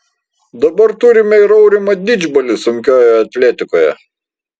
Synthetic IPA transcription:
d̪ɐbɐɾt̪ʊɾʲɪmʲɛɪɾɐʊɾʲɪmɐd̪ʲɪd͡ʒʲbɐlʲɪsʊŋʲkʲoːjɛɐt̪ʲlʲɛt̪ʲɪkoːjɛ̰

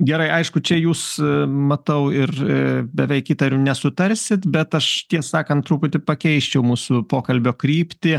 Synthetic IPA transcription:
ɡʲɛɾɐɪʔɐɪʃkʊt͡ʃʲɛjuːsmɐt̪ɐʊɪrɪbʲɛʋʲɛɪkiːt̪ɐɾʲʊnʲɛsʊt̪ɐɾʲsʲɪt̪bʲɛt̪ɐʃt̪ʲiɛsɑːkɐnt̪t̪ɾuːpʊt̪ʲɪpɐkʲɛɪʃʲt͡ʃʲɛʊmuːsʊpoːkɐlʲbʲoːkɾʲiːpʲt̪ʲɪ

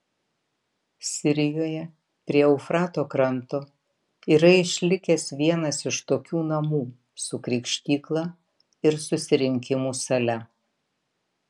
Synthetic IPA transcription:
sʲɪɾʲɪjoːjɛ | pʲɾʲiɛʊfɾɑːt̪oːkɾɐnt̪oː | iːɾɐɪʃʲlʲɪkʲɛsʋʲiɛnɐsɪʃt̪oːkʲuːnɐmuː | sʊkɾʲɪkʃʲt̪ʲiːklˠɑː | ɪɾsʊsʲɪɾʲɪŋʲkʲɪmuːsɐlʲɛ

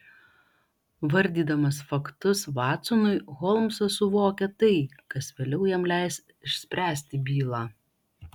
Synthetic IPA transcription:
ʋɐɾʲd̪ʲiːd̪ɐmɐsfɐkt̪ʊsʋɑːt̪sʊnʊɪɣɔlˠmsɐsʊʋoːkʲɛt̪ɐɪkɐsʋʲeːlʲɛʊjɛmlʲæɪs | ɪʃʲsʲpʲɾʲæːsʲt̪ʲɪbʲiːlˠɑː

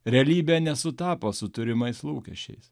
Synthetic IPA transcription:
ɾʲɛɐlʲiːbʲɛnʲɛsʊt̪ɑːpoːsʊt̪ʊɾʲɪmɐɪslˠuːkʲɛ̰ʃʲt͡ʃʲɛ̰ɪs

